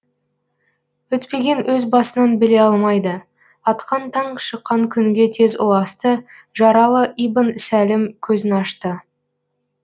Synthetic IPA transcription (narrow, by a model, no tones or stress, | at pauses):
wɵt̪pe̞ɡʲe̞nwʔɵzbɑsənɑnbɪle̞ɑlˠmɑjd̪ə | ɑt̪qɑnt̪ʰɑɴʃəqːɑŋkʲʰʏŋɡʲe̞t̪ʰe̞zʊ̰lˠɑst̪ə | ʒɑɾɑlˠəʔibənsælɪmkʲʰɵzɪnɑʃt̪ə